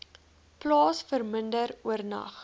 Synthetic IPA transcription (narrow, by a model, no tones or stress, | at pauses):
plɑːsfərməndəruərnɐ̰χ